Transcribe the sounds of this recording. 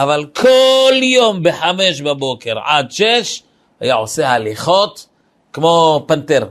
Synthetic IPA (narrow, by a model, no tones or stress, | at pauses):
ʔavalkʰoljombeħameʃbabokeɾʕa̰d̪ʃeʃ | hajaʕosehaliχot̪ | kmopant̪eɾ